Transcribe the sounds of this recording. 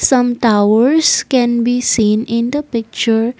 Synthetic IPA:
sʌ̃mʈaʊəɾskɛ̃nbiːsĩːnɪ̃nd̪əpɪk̚t͡ʃəɾ

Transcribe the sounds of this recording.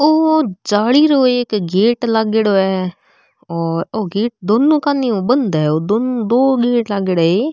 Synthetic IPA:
oːd͡ʒaːɽiːɾoːeɪkɡeːʈləɡɽoːɛː | oːɾoːɡeːʈ̚d̪oːnːũːkaːnːiːoːbənd̪aɛːoːd̪oːnũːd̪oːɡeːʈləɡɽəːeː

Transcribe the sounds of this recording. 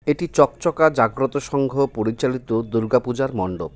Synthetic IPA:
eʈit͡ɕɔkt͡ɕɔkad͡ʑaɡɾot̪oʃɔŋɡʱopoɾit͡ɕalit̪od̪uɾɡapud͡ʑaɾmɔɳɖo

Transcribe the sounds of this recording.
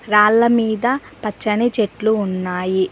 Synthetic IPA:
ɾaːɭːɐmiːd̪ɐ | pɐt͡ʃːɐnit͡ʃeʈluːnːaːji

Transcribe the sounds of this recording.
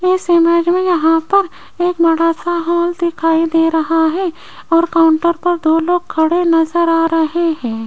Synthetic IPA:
ɪsemɛːd͡ʒmẽjɐɦãpɐɾ | eːkmɐɽaːsaɦɔːld̪ɪkʰaːid̪eːɾɐɦaɦɛ̃ː | ɔːɾkaːʊ̃ɳʈəɾpɐɾd̪oːloːɡ̚kʰːɐɽenɐzəɾaːɾɐɦeɦɛ̃ː

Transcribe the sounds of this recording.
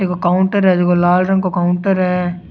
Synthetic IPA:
ekokaːʊɳʈəɾɦɛd͡ʒoːkolaːlɾə̃ŋɡkokaːʊɳʈəɾɦɛː

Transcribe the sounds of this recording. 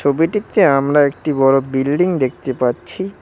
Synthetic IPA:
obiʈit̪eamɾaek̚ʈibɔɾobilɖiŋd̪ek̚ʰt̪epaːɕʰi

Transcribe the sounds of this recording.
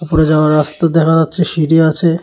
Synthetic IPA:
upoɾed͡ʑaoaɾːast̪ad̪ɛkʰad͡ʑatːʃʰeʃiɾiat͡ɕʰe

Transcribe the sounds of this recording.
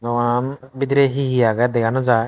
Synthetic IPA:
nɔwanbid̪ɾɛɦiɦijaɡɛd̪ɛɡanɔd͡ʒa

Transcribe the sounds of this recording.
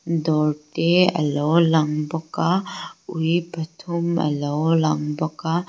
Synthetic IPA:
dɔɾteɐ̰lɔlaŋbɔkaujbɐtʰumɐ̰lɔlaŋbɔka

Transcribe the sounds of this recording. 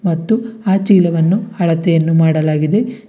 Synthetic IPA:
mɐt̪ːuaːt͡ʃiːlɐʋɐnːuɐɭɐt̪ejɐnːumaːɽɐlaːɡid̪e̞

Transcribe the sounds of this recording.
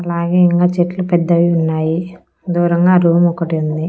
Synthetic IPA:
ɐlaːɡeːiŋkaːt͡ʃeʈlupɛd̪ːɐʋiunːaːji | d̪uːɾɐŋɡaːɾuːmɔkːɐʈiund̪i

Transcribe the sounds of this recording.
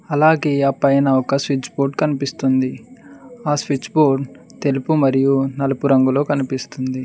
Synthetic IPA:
ɐlaːɡe̞ːɐpɐjnɐɔkɐsʋit͡ʃːbo̞ːɖkɐnipist̪und̪i | aːsʋit͡ʃːboːɖt̪elupumɐɾijunɐlɐpuɾɐŋɡulo̞ːkɐnipist̪und̪i

